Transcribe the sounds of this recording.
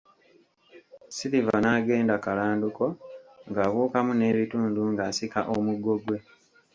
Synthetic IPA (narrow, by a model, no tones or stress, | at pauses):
siɾivanaːɡe̞ːndakalaːnduko̞ŋɡaːβuːkamune̞ːβituːnduŋɡaːsikaʔomuɡo̞ɡwe̞